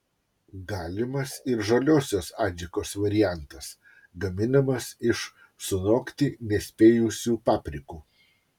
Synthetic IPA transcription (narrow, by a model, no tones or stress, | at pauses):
ɡɑːlʲɪmɐsɪɾʒɐlʲoːsʲoːsɑːd͡ʒʲɪkoːsʋɐɾʲɪjæˑnt̪ɐs | ɡɐmʲɪnɐmɐsɪʃ | sʊnoːkt̪ʲiːnʲɛsʲpʲeːjʊsʲuːpɑːpʲɾʲɪkuː